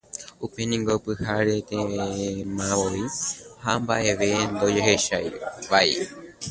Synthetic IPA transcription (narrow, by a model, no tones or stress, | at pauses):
upe̞nĩŋɡopɨhaɾe̞t̪ẽmãʋoiha̰mba̰ʔe̞ʋe̞nd̪o̞d͡ʒeɦe̞ʃajʋaj